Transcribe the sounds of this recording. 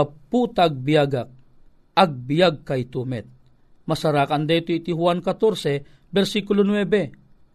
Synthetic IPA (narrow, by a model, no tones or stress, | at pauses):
aput̪aɡ̚bijaɡak̚ | aɡ̚bijaɡ̚kajt̪umɛt̪̚ | mɐsaɾakand̪ɛt̪oit̪iɦuankat̪oɾsɛ | bɛɾsikʊlonwɛbɛ